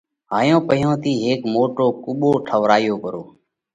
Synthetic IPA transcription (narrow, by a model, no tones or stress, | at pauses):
ɦaːjõːpəjõːt̪ʰiːɦeːkmoːʈoːkʊɓoːʈʰəʋɾaːjoːkəɾoː